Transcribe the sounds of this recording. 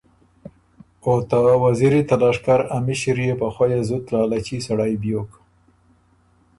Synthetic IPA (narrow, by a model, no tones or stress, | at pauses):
ot̪awaziɾit̪alɑʂkaɾamiʃɪɾjepaxwajezʊt̪lɑːlat͡ʃisaɽajbjok